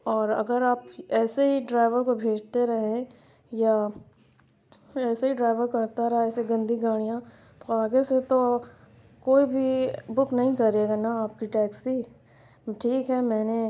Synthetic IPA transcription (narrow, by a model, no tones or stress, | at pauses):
ɔːɾɐ̰ɡəɾaːpɛːseɦiɖɾaːɪʋəɾkobʱeːd͡ʒt̪eɾɐɦẽ | ja | ɛːseɦiɖɾaːɪʋəɾkɐɾt̪aɾɐɦeɛːseɡɐ̃nd̪ʱiɡaːɽ̃ijã | t̪oaːɡeset̪o | koːibʱibʊpnɐɦĩkɐɾeːɡanaaːp̚kiʈɛːksi | ʈʰiːkɦɛmɛːne